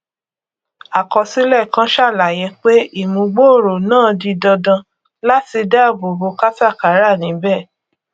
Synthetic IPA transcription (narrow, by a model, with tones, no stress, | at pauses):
a˨kɔ˧si˦lɛ˦˨kã˦ʃa˦˨la˨jɛ̃˧˦k͡pe˦i˦˨mũ˨˧ɡ͡bo˦o˦˨ɾo˨nãː˦˨di˧dɔ˧dã˧ | la˦ti˧da˦˨bo˨bo˧˦ka˦ta˦˨ka˨˦ɾa˦˨nĩ˨˦bɛ˦˨